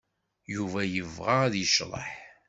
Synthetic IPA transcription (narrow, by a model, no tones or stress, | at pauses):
juvæjəvʁaðjəʃɾˤə̰ħ